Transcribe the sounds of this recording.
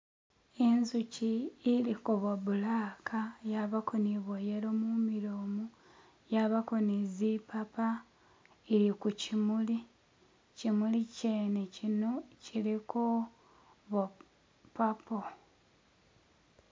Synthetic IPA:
enzuciilikoβabulaːkʰajaβakʰo̞niβojeɾomumiɾoːmu | jaβako̞nizipapa | eɾikucimuli | cimuliceːnecinociɾiko | βa | pːapo

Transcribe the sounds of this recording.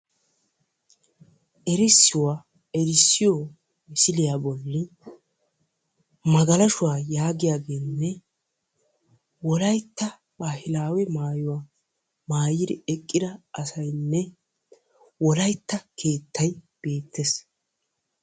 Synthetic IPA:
ʔɛɾɪsːɪwaː | ɛɾɪsːɪjɔ | mɪsɪlɪjabɔlːɪ | mɐɡɐlɐʃʊwaːjaːɡɪjaːɡe̞ːnːɛ | wɔlɐjt̪ːɐ | baːhɪlaːwɛmaːjʊwaː | maːjɪd̪ɪɛkʼːɪd̪ɐɐsɐjnːɛ | wɔlɐjt̪ːɐkʰe̞ːt̪ːɐj | b̥e̞ːt̪ːes

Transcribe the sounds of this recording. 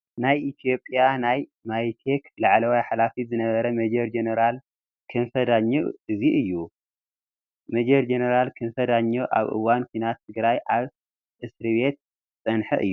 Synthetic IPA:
najit̪ʰijo̞pʼjanajmajt̪ʰeklaʕlɐwajħalafizɨnɐβɐɾɐmed͡ʒeɾd͡ʒenɐɾal | kʰɨnfɐd̪aɲːoɨziʔɨjːu | med͡ʒeɾd͡ʒenɐɾalkʰɨnfɐd̪aɲːoʔa̰βʔɨ̰wankʷʰuinat̪ʰːɨɡɾajʔaβ | ʔɨsɾɨβe̞t̪̚ | sʼɐnħɐ̰ʔɨ̰jːu

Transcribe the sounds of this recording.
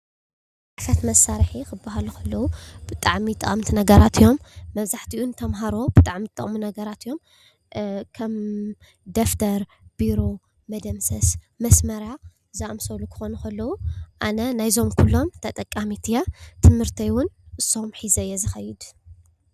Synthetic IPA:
ʕafɐt̪mɐsːaɾħixɨbːaɦalukʰɐlːɐwub̥ɨt̪ʼaʕmit̪ʼːɐ̰χʼɨmt̪ʰinɐɡɐɾat̪ʰijo̞mːɐβzaħt̪ʰiʔunt̪ʰɐmɦaɾo̞bɨt̪ʼaʕmit̪ʼɨχʼmunɐɡɐɾat̪jo̞m | kʰɐm | d̪oft̪ʰɐɾ | b̥iɾo̞ | mɐd̪ɐmsɐs | mɐsmɐɾja | zaʔʼmsɐlukʰɨ̥xo̞nɐkʰɐlːɐwuʔanɐnajzo̞mkʰulːo̞mt̪ʰɐt̪ʼɐkʼːamit̪ʰijat̪ʰɨmhɨɾt̪ʰɐjwʊnʔɨsːo̞mħizɐjːɛzɨxɐjːɪd̪

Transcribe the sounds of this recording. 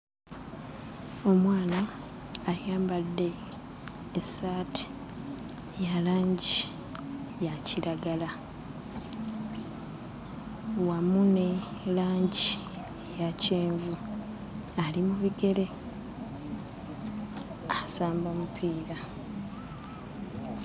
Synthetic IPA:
o̞mwaːnaː | jaːmbadːe̞ː | saːtʰi̥ | jalaːɲɟi | jaciɾaɡala | wamune̞laːɲɟi | jaceːɱvu | alimuβiɡe̞le̞ | asaːmbamupʰiːɾa

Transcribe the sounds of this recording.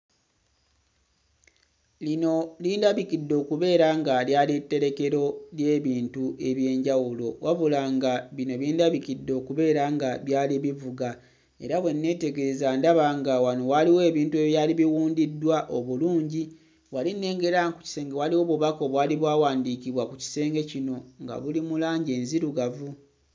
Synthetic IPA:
lino̞liːndaβikidːo̞ːkuβe̞ːɾaŋɡaljaːlitːe̞ɾe̞ke̞ɾo̞lje̞ːβiːntuʔe̞βje̞ːɲɟawulo̞wʔavulaŋɡaβino̞βiːndaβikidːo̞ːkuβe̞ːɾaŋɡaβjaːliβivuɡa | e̞ɾaβwe̞nːe̞ːte̞ɡeɾezaːndaβaŋɡawano̞waliwe̞ːβiːntue̞βjaːliβiwuːndidːwaʔo̞βuluːɲɟi | walinːe̞ːŋɡe̞ɾaŋku̥ci̥se̞ːŋɡewaliwo̞βuβako̞βwaːliβwaːwaːndiːkiβwakuci̥se̞ːŋɡe̞cino̞ŋɡa̰βulimulaːɲɟe̞ːnziɾuɡavu

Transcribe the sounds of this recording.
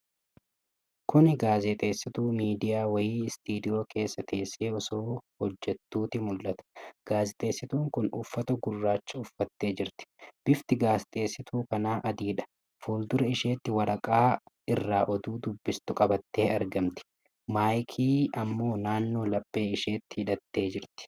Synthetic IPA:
kʊnɡaːzɛt̪ʼe̞ːsːɪt̪uːmiːd̪ɪjaːwɐjiːst̪iːd̪ɪjo̞ːke̞ːsːɐt̪ʰe̞ːsːe̞ːɔsoːhɔd͡ʒːɛt̪ːuːt̪ɪmʊlːɐt̪ɐ̥ɡ̥aːzɛt̪ʼe̞ːsːɪt̪uːŋkʊnʊfːɐt̪ɐɡʊrːaːt͡ʃːɐʊfːɐt̪ːe̞ːd͡ʒɪɾt̪ɪ̥b̥ɪft̪ɪɡaːzɪt̪ʼe̞ːsːɪt̪ʰuːkɐnaːʔɐd̪iːᶑɐ̥ | fuːld̪ʊɾɐɪʃeːt̪ːɪwɐɾɐkʼaː | ɪrːaːʔɔd̪uːd̪ʊbːɪst̪ʊkʼɐbɐt̪ːe̞ːɐɾɡɐmt̪ɪ̥ | maːjkʰiːɐmːo̞ːnaːnːo̞ːlɐbʼːe̞ːɪʃe̞ːt̪ːɪ̥hɪᶑɐt̪ːe̞ːd͡ʒɪɾt̪ɪ̥

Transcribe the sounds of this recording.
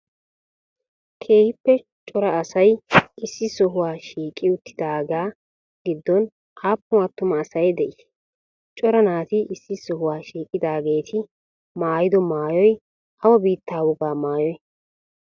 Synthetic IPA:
kʰe̞ːhɪpːɛ | t͡ʃʼɔɾɐːsɐjɪsːɪsɔɦʊwaːʃiːkʼːɪʊt̪ʰːɪd̪aːɡaː | ɡɪd̪ːɔn | ʔaːpːʊwaːt̪ːʊmɐːsɐjd̪ɛʔɪʃ | t͡ʃʼɔɾɐnaːt̪iʔɪsːɪsɔɦʊwaːʃiːkʼːɪd̪aːɡe̞ːt̪ʰɪ | maːjɪd̪ɔmaːjɔj | ʔɐwɐbiːt̪ʰːaːwɔɡaːmaːjɔj

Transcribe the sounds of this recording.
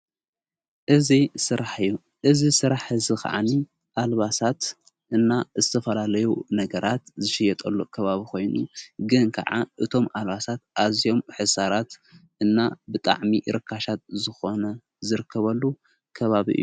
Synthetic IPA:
ʔɨzisɨɾaħɨjːu | ʔɨzisɨɾaħɨzɨxa̰ʕa̰ni | ʔalβasat̪ | ʔɨnːazɨt̪ʰɐfɐlalɐjunɐɡɐɾʔat̪zɨʃɪjɛt̪ʼɐlːokʰɐβaβikʰo̞jnṵɡɨnkʰɐa̰ʕa̰ʔɨt̪ʰo̞malβasat̪̚ʔazijo̞mħɨsaɾat̪ʔɨnːabɨt̪ʼa̰ʕmiʔɾɨkʰːaʃat̪̚zɨxo̞nɐ | zɨɾɨkʰːɐβɐlːu | kʰɐβaβḭʔɨ̰jːuu

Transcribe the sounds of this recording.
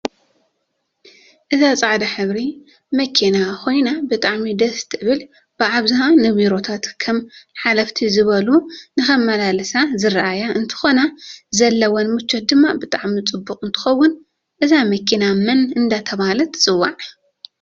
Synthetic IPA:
ʔɨzat͡sʼaʕd̪aħɨβɾi | mɐkʰinakʰo̞jnabɨt̪ʼaʕmid̪ɐst̪ʰɨɨβɨl | b̥ɨʕaβzɨhanɨβiɾo̞t̪ʰat̪kʰɐmħalɐft̪ʰizɨβɐlunɨxɐmːɐlalɨsazɨɾaʔajaʔɨnt̪ʰɨ̥xo̞nazɐlːɐwɔnmɨt͡ʃːɐt̪̚d̪ɨmːabɨt̪ʼaʕmit͡sʼɨbːukʼɨnt̪ʰɨ̥xɐwːʊn | ʔɨzamɐkʰinamɐnɨnd̪at̪ʰɐβalɐt̪t͡sʼɨwːaʕ

